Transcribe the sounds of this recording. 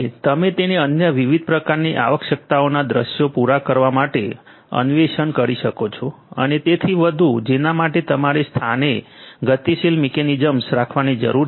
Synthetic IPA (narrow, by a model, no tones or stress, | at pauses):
t̪əmet̪eneənjəʋiʋid̪̚ʱpɾəkaɾniʔa̰ʋəkʃək̚t̪aonad̪ɾəʃjopuɾakəɾʋamaʈe | ə̰nʋeʃənkəɾiʃəkot͡ʃʰo | ə̰net̪et̪ʰiʋəd̪ʱud͡ʒenamaʈet̪əmaɾest̪ʰaneɡət̪iʃilmɛkenid͡ʒəmsɾakʰʋanid͡ʒə̰ɾuɾ